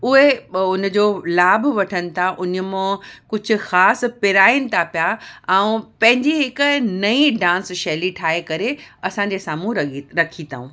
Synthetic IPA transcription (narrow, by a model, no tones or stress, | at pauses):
ʊɦeʊnd͡ʑoːlaːbʋɐʈʰənɪ̆t̪ʰaʔʊnə̆mãkʊd͡ʑʱʊ̆xaːs̆pɪɾaːinɪ̆t̪ʰapjaɛ̃ũpɐ̃ɦɪ̃ɲd͡ʑiɦɪkʊ̆nɐĩɖãːnsʃeːliʈʰaːɦekɐɾeɐsãɲ̆d͡ʑesaːmũɾɐkʰit̪a̰ːũ